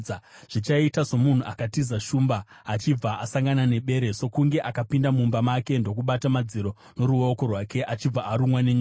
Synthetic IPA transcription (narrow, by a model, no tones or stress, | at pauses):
ʐ̥it͡ʃaitaso̞mun̤uʔakatizaʃuːmbaː | t͡ʃib͡vaʔasaŋɡanane̞ɓe̞ːɾe̞so̞kuŋɡe̞ʔakapindamumbamake̞ndo̞kuɓatamad͡ziɾo̞ | no̞ɾuo̞ko̞rwake̞ʔat͡ʃib͡vaːɾumwaneɲo